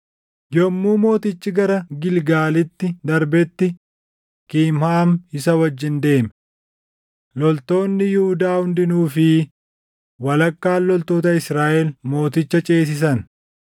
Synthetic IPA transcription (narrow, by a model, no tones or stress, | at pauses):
jɔmːuːmo̞ːt̪ɪt͡ʃːɪɡɐɾɐɡɪlɡaːlɪt̪ːɪd̪ɐɾbɛt̪ːɪ | kiːmhaːmɪsɐwɐd͡ʒːɪnd̪e̞ːmɛ | lɔlt̪o̞ːnːɪjʊhʊd̪aːhʊnd̪ɪnuːfɪ | wɐlɐkːaːlːɔlt̪o̞ːt̪ɐɪsɾaːʔɛlmo̞ːt̪ɪt͡ʃːɐt͡ʃʼeːs̬ɪs̬ɐn